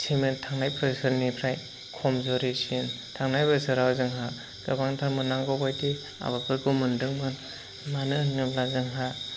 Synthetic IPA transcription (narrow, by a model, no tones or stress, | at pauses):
sʰimɯntʰaŋnajpʰɾɯsɯɾnipʰɾaj | kʰɔmzɔɾisin | tʰaŋnajpʰɯsɯɾawzɯŋɦa | ɡ̥ɯbaŋtʰamɯnaŋɡɔbajti | a̰bakʰɯɾɡɯmɯndɯŋmɯn | manɯnɯplazɯŋɦa